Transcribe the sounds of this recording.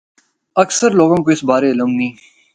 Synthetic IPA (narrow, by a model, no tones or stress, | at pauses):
ɐksəɾloːɡõːkoɪsbaːɾeɪləmnĩː